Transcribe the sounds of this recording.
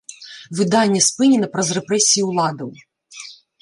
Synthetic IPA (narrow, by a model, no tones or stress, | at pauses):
ʋɨd̪ɑnʲːɐspɨnʲɛnɐpɾɐzrɛpɾɛsʲijiulˠɑd̪ɐw